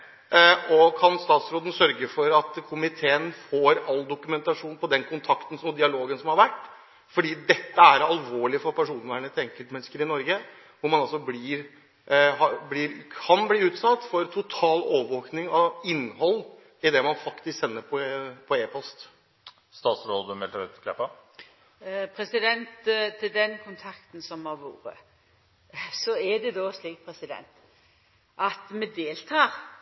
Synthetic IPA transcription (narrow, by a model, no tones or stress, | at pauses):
ɔkʰɑnst̪ɑːt̪sɾoːd̪n̩sœɾɡəfɔɾɑt̪kʰʊmɪt̪ʰeːənfoːɾɑlːd̪ʊkʉmɛnt̪ɑʂuːnpʰɔd̪ɛnkʰʊnt̪ʰɑkt̪n̩smʊd̪ɪɑloːɡənsɔmhɑɾʋæʈː | fɔɖiːd̪ɛt̪ːəæɾɑlʋoːɭɪfɔɾpʰæʂuːnəʋæːɳət̪ʰɪɛŋkəlt̪mɛnːəskəɾɪnɔɾɡə | ʋʊɾmɑnɑlsɔbliːɾ | ɦɑblɪːɾkʰɑnbliːʉːt̪sɑt̪ːfɔɾt̪ʰʊt̪ʰɑːloːʋʋəʋoːknɪŋɑɪnːhɔlː | ɪd̪ɛmɑnfɑkt̪ɪsksɛnːəɾpʰɔpʰɔeːpʰɔst̪ | st̪ɑːt̪sɾoːld̪ʉmɛlt̪ɛt̪kʰlɛpɑ | pʰɾɛsɪd̪ɛnt̪t̪ʰːɪld̪ɛnkʰʊnt̪ʰɑkt̪n̩sɔmhɑʋṵːɾə̰ | sɔɛd̪ɛd̪osliːkt̪pʰɾɛsɪd̪ɛ̰nt̪ | ʔɑt̪mɛd̪eːlt̪ʰɑːɾ